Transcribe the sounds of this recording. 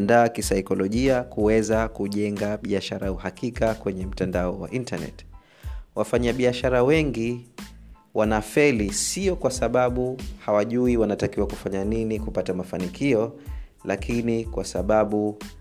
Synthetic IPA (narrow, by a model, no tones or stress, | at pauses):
ndaːkisaikɔlɔʄiakuwɛzakuʄɛŋɡaɓiaʃaɾauhakikakwɛɲɛm̩tandaɔwa̰ʔintanɛ̰t | wafaɲaɓiaʃaɾawɛŋɡi | wʔanafɛlisiɔkwasaɓaɓuhawaʄuiwanatakiwakufaɲaninikupatamafanikʰiɔ | lakʰinikwasaɓaɓu